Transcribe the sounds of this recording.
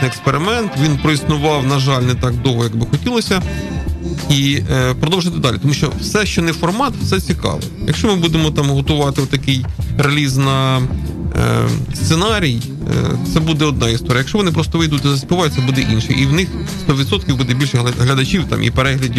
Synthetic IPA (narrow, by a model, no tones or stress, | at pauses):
ɪekspeɾɪmɛnt̪ʋʲinpɾɔisnʊʋɑwnɐʒɑlʲnɛt̪ɑɡ̚d̪ɔwɦɔjɐɡbɪxɔtʲilˠɔsʲɐ | ipɾɔd̪ɔwʒɪt̪ɪd̪ɑlʲit̪ɔmuʃt͡ʃɔ̰wsɛʃt͡ʃɔnɛfɔrmɑt̪fsɛt͡sʲikɑ̰ʋɪ̰jɐ̰kʃt͡ʃɔmɪbud̪emɔt̪ɑmɦɔt̪ʊʋɑt̪ɪɔt̪ːɐkɪjreɐlʲiznɐ̰ | st̪senɑɾʲij̰ | t̪sɛbud̪ɛɔd̪̚nɑist̪ɔɾʲjkʃt͡ʃɔʋɔnɪp̬ɾɔst̪ɔʋɪjd̪ut̚ʲt̪ɔzɐspɪʋɑjʊt̪̚ʲsɛbud̪ɛʔinʃɪ̰ʔiwnɪx | st̪ɔʋʲid̪sɔt̪kʲiwbud̪ɛbʲilʲʃɛɦlʲɐd̪ɐt͡ʃiwt̪ɑ̰mʔḭpeɾɛɦlʲɐdʲi